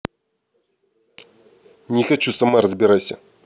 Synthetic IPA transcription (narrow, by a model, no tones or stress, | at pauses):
nʲɪxɐt͡ɕusɐmaɾɐzbʲɪɾasʲa̰